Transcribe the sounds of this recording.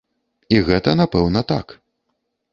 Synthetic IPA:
iɣɛt̪ɐnapɛwnɐt̪a̰k

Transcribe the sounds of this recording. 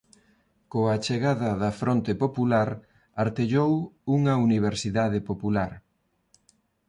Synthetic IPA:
koat͡ʃeɣaðɐðɐfɾont̪epopulaɾ | aɾt̪eʎowuŋɐuniβ̞eɾsiðaðɪpopulaɾ

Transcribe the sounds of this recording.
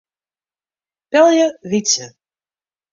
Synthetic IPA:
pɛlˠjəvit͡sə

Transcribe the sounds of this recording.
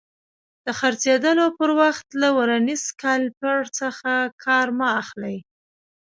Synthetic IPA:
d̪̥əxaɾt͡sed̪əlopəɾwaxt̪lawaɾaniskalpəɽt͡səxakʰɑɾmaːxlaj

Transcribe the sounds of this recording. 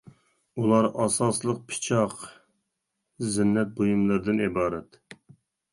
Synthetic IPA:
ulˠɑɾɑsɑslˠəq̚pʰɨ̥t͡ʃʰɑq | zɪnːɛt̪̚bojumlˠɨɾd̪ɪnibɑːɾɛt̪

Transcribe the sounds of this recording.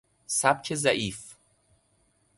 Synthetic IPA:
sæb̚cʰezæʔiːf

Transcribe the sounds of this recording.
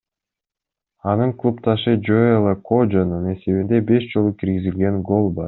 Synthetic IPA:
ɑnɯɴklˠupt̪ɑʃɯd͡ʒoelˠəkʰod͡ʒɑnɯne̞se̞βind̪e̞be̞ʃd͡ʒo̞lˠukʰiɾɡizilɡe̞ŋɡo̞lˠbɑɾ

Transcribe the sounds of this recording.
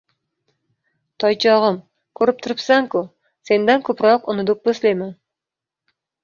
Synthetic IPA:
t̪ʰɑjt͡ʃʰɑʁɨm | kʲʰɵɾɪp̚t̪ʰʊɾɪpsaŋkʊ | se̞nd̪ænkʲʰɵpɾɑqʊnɨd̪ʊq̚bɵslejman

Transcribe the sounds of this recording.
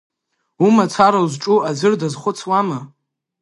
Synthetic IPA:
umat͡sʰaɾawzʈ͡ʂʼuazɨrdazχʷʊt͡sʰwama

